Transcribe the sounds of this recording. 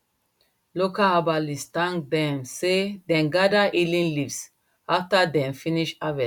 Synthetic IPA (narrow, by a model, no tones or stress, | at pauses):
lokaabalist̪ãŋd̪ɛ̃msed̪ɛ̃nɡadaʔilĩnlivs | aft̪ad̪ɛ̃mfiniʃavɛ